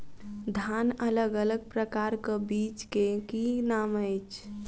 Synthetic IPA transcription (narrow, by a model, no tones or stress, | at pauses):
d̪ʱanələɡələɡ̚pɾəkaɾkəbit͡ʃkekinaməjt͡ʃʰ